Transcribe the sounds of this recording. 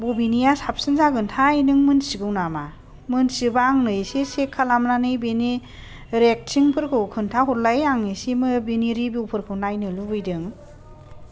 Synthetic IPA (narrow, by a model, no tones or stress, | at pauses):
bobinijasap̚sɯnzaɡɯntʰaijnɯŋmɯnsiɡɯwnama | mɯnsibaŋnɯjsisekʰːalamnanɯjbeni | ɾek̚sʰiŋpʰɯɾkʰɯwkʰɯntʰaɦɔɾlajaŋnisimɯbeniɾibiwpʰɯɾkʰɯwnajnɯlubɯjdɯŋ